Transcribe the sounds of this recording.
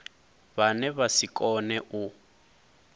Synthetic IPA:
banɛβasikʼɔnɛʔu

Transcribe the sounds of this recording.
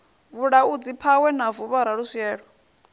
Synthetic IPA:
βuɺaud͡zipʰawɛnavuβaɾaɺusiɛːɺɔ

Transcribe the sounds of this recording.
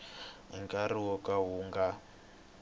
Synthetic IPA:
ɦḭŋɡaɾiwɔkaɦuːŋɡa

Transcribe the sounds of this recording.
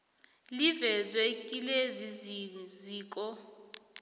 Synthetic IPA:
livɛzwɛkʼileziziziːkʼɔ

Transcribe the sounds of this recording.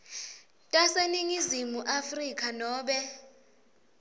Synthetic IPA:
tʼaseniŋizimuʔafrikʼanɔːɓɛ

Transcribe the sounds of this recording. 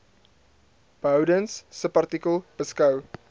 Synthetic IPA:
b̥əwdənsːəpart̪ikəlˠb̥əskɐw

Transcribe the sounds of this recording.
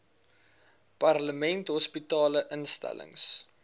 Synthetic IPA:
pɐrləmɛntɦɔspitɑːləʔənstæ̰lə̰ŋs

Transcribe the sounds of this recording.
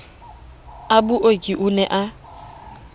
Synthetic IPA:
abuʔokʼiʔʊnɛʔa

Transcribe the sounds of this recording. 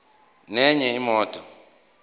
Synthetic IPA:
nɛɲɛimɔːtʼɔ

